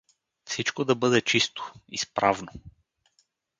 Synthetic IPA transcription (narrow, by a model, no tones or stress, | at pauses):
fsit͡ʃkod̪ɐbɤd̪ɛt͡ʃist̪o̥ḭspɾavno